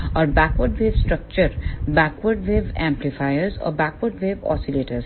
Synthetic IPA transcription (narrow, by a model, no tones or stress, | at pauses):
ɔːɾbɛːkʋəɾɖʋeːʋsʈɾək̚t͡ʃəɾbæːkʋəɾɖʋeːbɛ̃mplɪfaɪəɾzɔ̰ːɾbæːkʋəɾɖʋeːʋɔ̰ːsileːʈəɾz